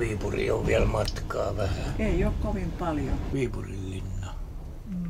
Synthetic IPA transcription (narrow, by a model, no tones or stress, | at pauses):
ʋiːpurḭo̰ʋʋiælmɑt̪kɑːʋæhæeiokkoʋimpɑljoʋiːpurilːinːɑ